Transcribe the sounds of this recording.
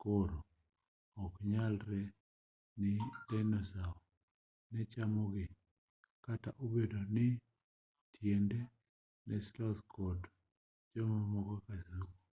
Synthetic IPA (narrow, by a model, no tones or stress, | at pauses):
koɾo | ɔkɲalɾɛ | nɪdɛnɔsaɔ | nɛt͡ʃamoɡɪ | kata̰ʔobedonɪ | tʰjɛndɛ | nʔɛslɔt̪kɔt | d͡ʒɔmamɔɡɔkasuko